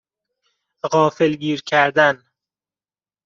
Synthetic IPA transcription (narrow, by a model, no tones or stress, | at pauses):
ɣɒːfelɡiːɾcʰæɾd̪æn